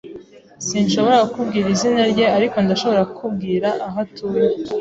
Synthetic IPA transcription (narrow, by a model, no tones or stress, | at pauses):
sinʃo̞βo̞ɾakubɡiːɾizinaɾɟe̞aɾiko̞ndaʃo̞βo̞ɾakʰubɡiːɾaʔaɦatuːɾe